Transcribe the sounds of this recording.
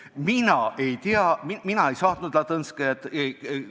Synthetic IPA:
minɑe̞jt̪eɑmiminɑe̞jsɑːt̪nud̪̥lɑt̪ɤnsket̪ː

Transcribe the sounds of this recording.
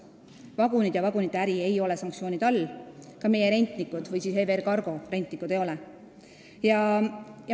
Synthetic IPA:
vɑɡunid̪̥jɑvɑɡunit̪ːˑæɾie̞jo̞lɛsɑŋksio̞ːnid̪̥ɑlːkɑme̞je̞ɾe̞nʲt̪ˑnikːud̪̥vɯjsisheverkɑrɡ̥o̞re̞nʲt̪ˑnikːˑud̪̥e̞jo̞lɛ | jɑjɑ

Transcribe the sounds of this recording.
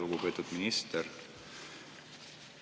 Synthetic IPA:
uɡupe̞ːt̪ud̪̥minist̪eɾ

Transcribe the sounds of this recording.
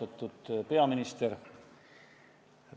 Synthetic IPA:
ɑt̪ːˑud̪̥pe̞ɑminist̪eɾ

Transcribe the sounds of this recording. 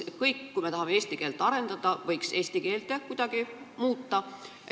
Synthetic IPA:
kɤjkːujme̞t̪ɑɦɑme̞eːst̪ike̞ːlt̪ːˑɑɾe̞nd̪̥ɑd̪ɑvɤjkse̞ːst̪ike̞ːlt̪ekud̪̥ɑɡ̥i | muːt̪ːɑ

